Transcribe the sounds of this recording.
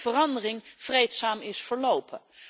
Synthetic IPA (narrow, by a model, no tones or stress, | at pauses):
vərɑndərɪŋv̥rejtsaːmɪsfəɹlowpʰə